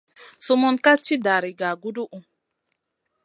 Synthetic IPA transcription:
su˦mu˦nka˦t͡ʃi˦da˨ɾi˨ɡa˨ɡu˦du˦ʔu˨

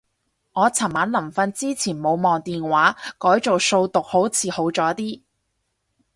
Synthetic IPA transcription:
ŋɔː˨˧t͡sʰɐ˨˩nmaː˨˥nlɐ˨˩mfɐ˧nt͡siː˥t͡sʰiː˨˩nmo˨˧wmɔː˨ŋt̪iː˨nwaː˨˥kɔː˨˥jt͡so˨wso˧wt̪ʊ˨k̚ho˨˥wt͡sʰiː˨˧ho˨˥wt͡sɔː˨˥t̪iː˥

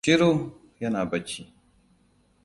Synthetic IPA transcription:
i˦ɾo˦ | jɐ˦naː˨bɐ˦t͡ʃi˦

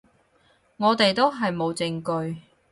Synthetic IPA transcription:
ŋɔː˨˧t̪e˨jt̪o˥wɦɐ˨jmo˨˧wt͡sɪ˧ŋkɵ˧ɥ

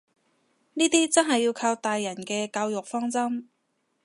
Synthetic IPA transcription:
niː˥t̪iː˥t͡sɐ˥nɦɐ˨˩jːiː˧wkʰaː˧wt̪aː˨jːɐ˨˩nkɛː˧kaː˧wjʊ˨k̚fɔː˥ŋt͡sɐ˥m

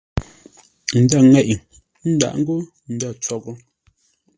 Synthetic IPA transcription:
n̩˨da˦˨ŋɛ˦˨ʔi˨ŋ | n̩˦da̰˨ʔŋ̩˦ɡo˦ | n̩˨da˦˨t͡sɔ˦˨ɡɔ˦

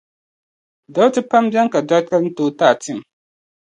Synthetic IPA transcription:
da˦tɨ˦pa˦mbɛ˦ŋka˨da˦ka˦n̩˦to˦taː˦˨ti˦˨m˨

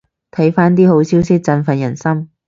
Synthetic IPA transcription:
t̪ʰɐ˨˥jfaː˥nt̪iː˥ho˨˥wsiː˨˥wsɪ˥k̚t͡sɐ˧nfɐ˨˩jɐ˨˩nsɐ˥m

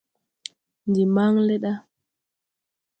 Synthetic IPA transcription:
ndi˨ma˦ŋle˦ɗa˦

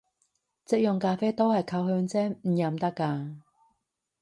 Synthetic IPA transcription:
t͡sɪ˥˧k̚jʊ˨˩ŋkaː˧fe˥jt̪o˥whɐ˨jkʰɐ˧wɦœː˧ŋt͡sɛː˥ŋm̩˨˩jɐ˨˩mt̪ɐ˥kːaː˧

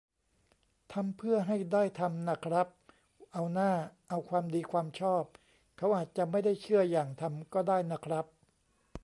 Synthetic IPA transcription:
t̪ʰa˧mpʰɯ˥˩ɐɦa˥˩jdaː˥˩jt̪ʰa˧mna˦˥˩kʰɾa˦˥p̚ | ʔa˧wnaː˥˩ʔa˧wkʰwaː˧mdiː˧kʰwaː˧mt͡ɕʰɔː˥˩p̚ | kʰa˦˥wʔaː˨˩t̪̚t͡ɕa˨˩ma˥˩jda˥˩jt͡ɕʰɯ˥˩ɐjaː˨˩ŋt̪ʰa˧mkɔː˥˩daː˥˩jna˦˥˩kʰɾa˦˥p̚

